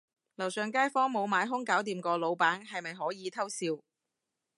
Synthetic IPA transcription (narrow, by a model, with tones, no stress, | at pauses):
lɐ˨˩wsœː˨ŋkaː˥jfɔː˥ŋmo˨˧wmaː˨˧jɦʊ˥ŋkaː˨˥wt̪iː˨mkɔː˧lo˨˧wpaː˨˥nhɐ˨jmɐ˨jɦɔː˨˥jiː˨˧t̪ʰɐ˥wsiː˧w